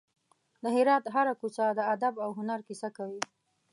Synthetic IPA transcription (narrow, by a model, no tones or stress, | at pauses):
d̪əɦɪɾɑt̪ɦaɾakusad̪əad̪abawɦʊnaɾkisakawi